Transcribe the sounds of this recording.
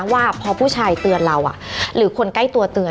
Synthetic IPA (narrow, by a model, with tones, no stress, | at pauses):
waː˥˩pʰɔː˧pʰuː˥˩t͡ɕʰaː˧jt̪ɯ˧ənɾa˧wʔa̰˨˩ʔɾɯː˩˦kʰo˧nka˥˩jt̪u˧ɐt̪ɯː˧ə